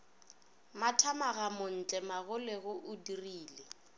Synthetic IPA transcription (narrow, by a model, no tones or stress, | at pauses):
matʰamaɣamʊn̩t͡ɬʼɛmaɣʊlɪɣʊʔʊdiriːle